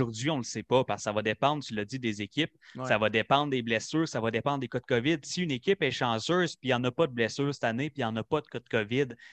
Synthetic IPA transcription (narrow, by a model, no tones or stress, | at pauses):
ʊʁzɥiɔ̃ləsɛpɔpaʁssavɔd̪epɑ̃d̪ʁt̪ylːad͡zid̪ezekʲɪp̚ssavʌd̪epɑ̃d̪ʁd̪eblɛsyːʁsavɔd̪epɑ̃nd̪ekɔd̪̚kɔvɪd̪siynekʲɪpɛʃɑ̃ʒøːz̥piɑ̃ːnɔpʌd̪əblɛsyːʁsɛt̪anepijɑ̃ːnɔpʌd̪əkɔd̪̚kɔvɪd̪